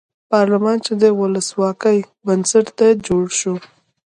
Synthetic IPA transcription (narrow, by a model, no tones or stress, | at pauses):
pɑɾlamɑnt͡ʃed̪ewʊləswɑkəj | bənsəʈt̪ad͡ʒoɽʃu